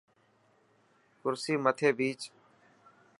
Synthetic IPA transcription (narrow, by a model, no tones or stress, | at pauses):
kʊɾsiːmət̪ʰeːbiːt͡ʃ